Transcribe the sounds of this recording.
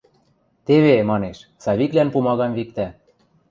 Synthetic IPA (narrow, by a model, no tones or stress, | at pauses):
t̪eβemɑneʃsɑβiklænpumɑɣɑmβik̚t̪æ